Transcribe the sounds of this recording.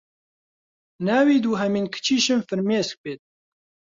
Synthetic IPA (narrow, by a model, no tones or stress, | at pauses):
naːwiːd̪uːɦɛmiːnkʰɨ̥t͡ʃʰiːʃɨnfɨɾmeːsk̚peːt̪̚